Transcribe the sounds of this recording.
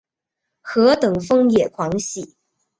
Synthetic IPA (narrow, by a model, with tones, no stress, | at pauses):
xɤ˧˥t̪ɤ˨˩ŋfɤ˥ŋjɛ˨˩kʰwɑ˧˥ŋɕi˨˩˦